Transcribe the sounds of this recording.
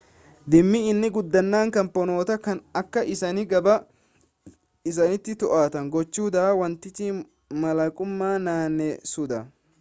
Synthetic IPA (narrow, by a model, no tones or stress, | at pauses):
d̪ɪmːɪɪnːɪɡʊd̪ːɐnːaːŋkɐmpːɔno̞ːt̪ɐkɐnɐkːɐʔɪsɐnɪɡɐbɐ | ɪs̬ɐnɪt̪ːɪt̪ɔʔaːt̪ɐŋɡɔt͡ʃːuːd̪ɐwɐnt̪ːɪt͡ʃi | mɐlɐkʼʊmːaːnaːnːɛsʊd̪ɐ